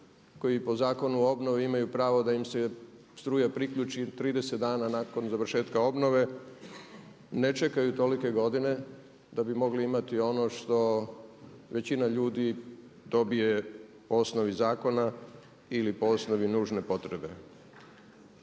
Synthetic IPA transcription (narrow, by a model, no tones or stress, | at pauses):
ko̞jipo̞zaːko̞nuo̞bno̞ʋiimajupɾaːʋo̞d̪aimse | st̪ɾuːjapɾikʎut͡ʃit̪ɾiːd̪e̞se̞t̪d̪aːnanaːko̞nzaʋɾ̩ʃe̞ːt̪kao̞bno̞ʋe̞ | ne̞t͡ʃe̞kajut̪o̞like̞ɡo̞d̪ine̞ | d̪abimo̞ɡliimat̪io̞no̞ʃt̪o̞ | ʋe̞t͡ɕinaʎuːd̪i | d̪o̞bije̞poosno̞ʋizaːko̞na | ilipoosno̞ʋinuːʒne̞po̞t̪ɾe̞be̞̰